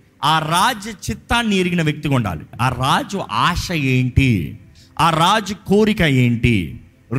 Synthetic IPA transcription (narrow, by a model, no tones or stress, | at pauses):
aːɾaːd͡ʒɐt͡ʃit̪ːanːiːɾiɡinɐʋjɐk̚t̪ikuɳɖa̰ːlḭaːɾaːd͡ʒuʔaːʂɐeːɳʈḭ | aːɾaːd͡ʒukoːɾikɐeːɳʈḭ